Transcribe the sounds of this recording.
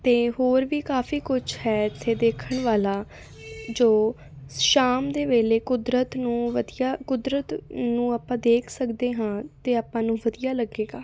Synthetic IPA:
t̪eːɦoːɾʋiːkaːfʰiːkʊt͡ʃʰhɛːɪt̪ʰːeːd̪eːkʰəɳʋaːlaː | d͡ʒoː | ʃaːmd̪eːʋeːleːkʊd̪ɾət̪nũːʋəd̪ijaːkʊd̪ɾət̪nũːaːpãːd̪eːkʰsəkd̪eːɦãːt̪eːaːpãːnũːʋəd̪ijaːləɡːeːɡaː

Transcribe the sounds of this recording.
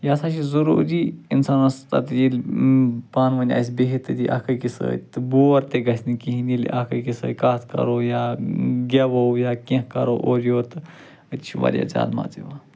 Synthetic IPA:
jaːsat͡ʃizɐɾṵːɾiinsaːnɐst̪ɐ̰t̪jilʲ | paːnʋɐnʲa̰ːs̬ʲbeɦit̪ɨɾiʔa̰kʰəkisə̰ːt̪ɨboːɾt̪eɡɐsʲnikiɦinilʔa̰kʰəkisə̰ːkaːt̪ʰkɐ̰ɾoːjaːɡʲɐʋowjaːkẽɦkɐɾoʔoːɾjoːt̪ɨ | ət̪t͡ʃʰiʋɐ̰ɾʲja̰d͡ʒa̰ːlma̰ːt͡siʋaː

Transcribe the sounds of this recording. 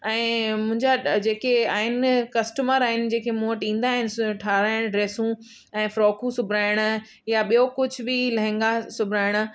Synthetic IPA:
ɛ̃ːmʊ̃ɦɪ̃ɲd͡ʑad͡ʑeːkea̰ːɦɪnɪkɐsʈəməɾaːɦɪnɪ̆d͡ʑeːkʰemuːəʈĩːnd̪aːɦɪnɪʈʰaːɾaːɪɽ̃ɖɾeːsũ | ɛ̃ːfɾoːkʰũsʊbʱɾaːɪɽ̃ | jaɓijokʊd͡ʑʱʊbɪlɐɦɪ̃ŋɡasʊbʱɾaːɪɽ̃

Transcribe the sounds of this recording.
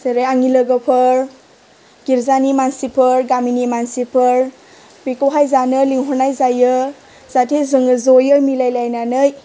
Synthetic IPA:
seɾejaŋiləɡəpʰɯɾ | ɡ̥iɾzanimansipʰəɾɡaminimansipʰəɾ | bikowɦajzanɯliŋɦɔnajzajɯ | z̥atʰezɯŋɯzɔjɯmilajlajnanɯj

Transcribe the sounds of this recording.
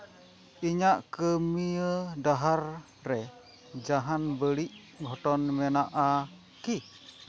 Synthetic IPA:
iɲaʔkəmiədaɦar | rɛ | d͡ʒaɦanbəliʔ | ɡʱɔʈɔnmɛnaʔa | ki

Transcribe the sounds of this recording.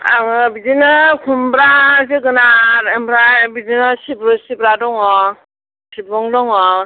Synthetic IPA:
a̰ŋɯbizinɯkʰumbɾazeɡɯnaɾembɾabizinasibɾɯsibɾadɔŋɔ | sibɾɔŋdɔŋɔ

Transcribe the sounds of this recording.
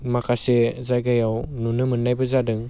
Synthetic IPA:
makʰasezajɡajawnunɯmɯnːajbɯzadɯŋ

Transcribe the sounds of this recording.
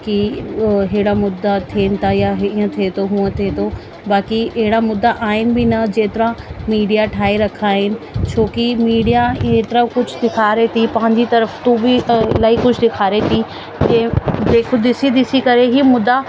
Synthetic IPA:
kiɦɪɪɽamʊd̪ːat̪ʰeːnɪ̆t̪ajaɦĩːə̃t̪ʰet̪oɦũə̃t̪ʰet̪ʰo | baːkiɐɦɪɽamʊd̪ːaʔaːɦɪnɪ̆bɪnɐd͡ʑeːt̪ɪɾãmiːɖijaʈʰaːiɾɐkʰaːɦɪnɪ̆t͡ɕʰoːkimiːɖijaɦẽt̪ɾakʊd͡ʑʱʊd̪ɪkʰaːɾet̪ʰipɐ̃ɦɪ̃ɲd͡ʑit̪ɐɾəft̪uːbilaːikʊd͡ʑʱd̪ɪkʰaːɾet̪ʰi | ked͡ʑeːkʰod̪ɪsid̪ɪsikɐɾeɦimʊd̪ːa

